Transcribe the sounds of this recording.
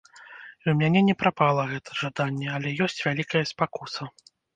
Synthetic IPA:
iwmʲanʲɛnʲɛpɾapalˠɐɣɛt̪ʰɐʐad̪anʲːɛalʲɛjɔsʲt͡sʲvʲalʲikɐjɐspakusɐ

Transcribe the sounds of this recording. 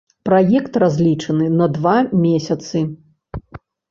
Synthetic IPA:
pɾajɛkt̪razʲlʲit͡ʂɐnɨnɐd̪vamʲesʲɐt̪sɨ

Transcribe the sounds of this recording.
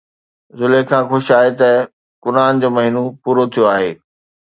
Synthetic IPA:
zʊlekʰãːxʊʃaːɦet̪ɐ | kʊɾaːnd͡ʑoːmɐɦinopuːɾot̪ʰijoaːɦḛː

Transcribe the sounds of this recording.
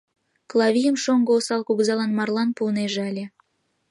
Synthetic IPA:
klˠɑβʲijəmʃoŋɡoːsɑlkuɣzɑlɑnmɑrlɑnpuəneʒeɑlʲe

